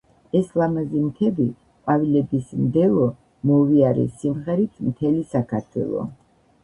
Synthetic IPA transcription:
ɛslˠamazimt̪ʰɛbi | qʼwavilɛbismd̪ɛlˠɔ | mɔviaɾɛ̰simʁɛɾit̪ʰmt̪ʰɛlisakʰaɾt̪ʰwɛ̰lˠɔ̰

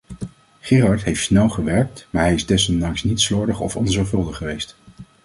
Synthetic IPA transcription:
χɪːrɑɹtɦejftsnɛlˠχəʋɛɹk̚tmaːɹɦɛjɪzdɛsɔndɑŋsnitslɔːɹdəχɔ̰fɔnzɔɹfɵlˠdəχːəʋejst

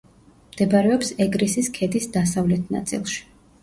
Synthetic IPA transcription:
md̪̥ɛbaɾɛɔpsɛɡɾisiskʰɛd̪isd̪asavlɛt̪ʰna̰t̪sʼḭlˠʃi̥

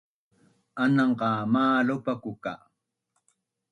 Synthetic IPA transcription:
anɑɴɢɑːmaːlopakʊka̰

